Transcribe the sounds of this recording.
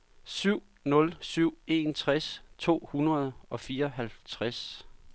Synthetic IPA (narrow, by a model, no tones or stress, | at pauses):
syʊ̰ | nɔ̽lsyʊ̰e̝nt͡sʰʁast͡sʰo̝̰ːhunʁɐð̞̩ˠɒ̽fiːɐɒɦælt͡sʰʁas